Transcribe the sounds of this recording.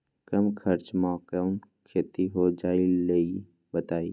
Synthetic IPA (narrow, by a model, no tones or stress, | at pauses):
kəmkʰəɾt͡ʃmaːkənkʰeːt̪iɦod͡ʒaːilei | bət̪aːiː